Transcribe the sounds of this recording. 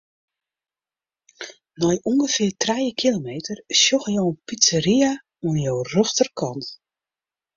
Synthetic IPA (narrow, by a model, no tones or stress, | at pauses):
nɔjʔuŋɡəfɪːrtrajəkʰilomeːtərsjoxəjowənpisəria | uənjoːrɔstərkʰɔnt